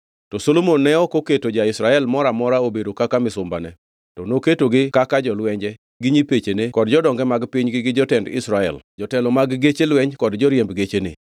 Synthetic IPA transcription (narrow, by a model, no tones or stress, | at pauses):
tɔsolomonːɛɔkoketod͡ʒaɪsɾaɛlmɔɾamɔɾaobedokakamɪsʊmba̰nɛ | tɔnoketoɡɪkakad͡ʒɔlwɛɲd͡ʒɛ | ɡɪɲipet͡ʃenekɔdd͡ʒɔdɔŋɡɛmaɡpɪɲɡɪɡɪd͡ʒɔtɛndɪ̰sɾaɛ̰ld͡ʒɔtɛlɔmaɡɡet͡ʃelwɛɲkɔdd͡ʒɔɾjembɡet͡ʃenḛ